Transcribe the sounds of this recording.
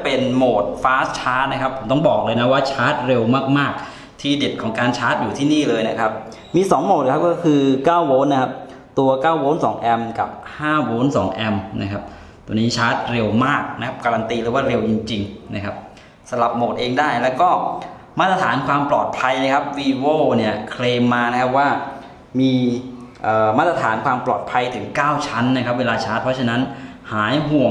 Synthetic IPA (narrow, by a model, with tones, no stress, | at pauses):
a˩pe˧nmoː˨˩t̪̚faː˦˥s̚t͡ɕʰaː˦˥t̪̚na˥kʰa˦˥pʰːo˩˦mt̪ɔ˥˩ŋbɔː˨˩k̚lɤː˧jna˦˥waː˥˩t͡ɕʰaː˦˥t̪̚ɾe˧wmaː˥˩k̚maː˥˩k̚ | t̪ʰiː˥˩de˨˩t̪̚kʰɔː˩˦ŋkaː˧nt͡ɕʰaː˦˥t̪̚juː˨˩t̪ʰiː˥˩niː˥˩lɤː˧jna˦˥kʰa˦˥p̚ | miː˧sɔː˩˦ŋmoː˨˩t̪̚kʰa˦˥p̚kɔː˥˩kʰɯː˧kaː˥˩wwoː˦˥nːa˦˥kʰa˦˥p̚ | t̪u˧ɐkaː˥˩woː˦˥nsɔː˩˦ŋʔɛ˧mka̰˨˩p̚haː˥˩woː˦˥nsɔ̰ː˩˦ŋʔɛ˧mna̰˦˥kʰa˦˥p̚ | t̪ṵ˧əniː˦˥t͡ɕʰaː˦˥t̪̚ɾe˧wmaː˥˩k̚na˦˥kʰa˦˥p̚kaː˧ɾa˧nt̪iː˧lɯː˩˦waː˥˩ɾe˧wt͡ɕi˧ŋt͡ɕi˧ŋna˦˥kʰa˦˥p̚ | sa˧la˨˩p̚moː˨˩t̪̚ʔeː˧ŋdaː˥˩jlɛː˦˥wkɔː˥˩ | maː˥˩t̪ɾa˧t̪ʰaː˩˦nkʰwaː˧mplɔː˨˩t̪̚pʰa˧jna˦˥kʰa˦˥p̚wiː˧woː˥˩ni˥˩ɐkʰleː˧mːaː˧na˦˥kʰa˦˥p̚waː˥˩ | miː˧ | ʔɤː˨˩maː˥˩t̪ɾa˧t̪ʰaː˩˦nkʰwaː˧mplɔ̰ː˨˩t̪̚pʰa˧jt̪ʰɯ˨˩˦ŋkaː˥˩wt͡ɕʰa˦˥nːa˦˥kʰa˦˥p̚weː˧laː˧t͡ɕʰaː˦˥t̪̚pʰɔ˦˥t͡ɕʰa˧na˦˥nhaː˩˦jɦu˨˩əŋ